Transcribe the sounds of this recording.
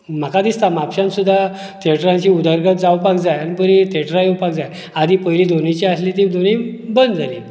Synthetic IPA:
m̤akad̪ist̪amapɕãnsud̪ʱːa | t̪ʰeʈɾãɲt͡ɕiud̪əɾɡʱət̪̚d͡zawpakd͡zajanipəɾit̪ʰeʈɾajiwpak̚d͡zaj | ad̪ʱipəjlid̪onit͡ɕiaslit̪̬id̪onĩbənd̪d͡zali

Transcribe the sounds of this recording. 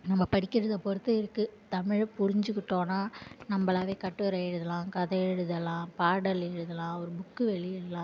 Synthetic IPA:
nɐmːɐpɐɽɪkːɪɾɐðɐpɔɾɯt̪ːɐɪɾɯkːɯt̪ɐmɪɻɐpʊɾɪɲd͡ʒɯkːɪʈːõːnaːnɐmːɐlaːʋeːkɐʈːɯɾɐɛɻɯðɐlãːkɐðɐɛɻɯðɐlãːpaːɽɐlɛɻɯðɐlãːɔɾɯbʊkːɯʋɛɭɪɛlːãː

